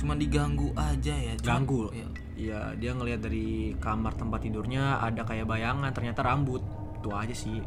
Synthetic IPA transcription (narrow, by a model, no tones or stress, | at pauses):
t͡ʃumandiɡaŋɡuʔad͡ʒajaɡɡaŋɡua | ija̰ | diaŋəliɦat̪̚daɾikamart̪əmpat̪ːidʊrɲaa̰dakajabajaŋant̪ərɲat̪aɾambʊt̪̚ː | uad͡ʒasɪh